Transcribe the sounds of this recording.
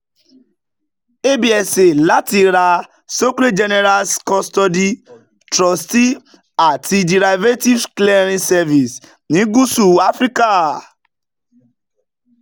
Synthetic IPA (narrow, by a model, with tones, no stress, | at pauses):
e˦bi˦˨ɛ˧se˨la˨˦ti˧ɾa˧ | so˦kɾe˦d͡ʒɛ˧nɛ˧ɾa˧lskɔ˧stɔ˧di˦ | tɾɔ˨sti˦ | a˦˨ti˧di˨ɾa˧jve˦ti˦vklɛ˦ɾ̃ĩ˧sɛ˧vi˨s | nĩ˨˦ɡu˦su˦˨a˦fɾi˦ka˦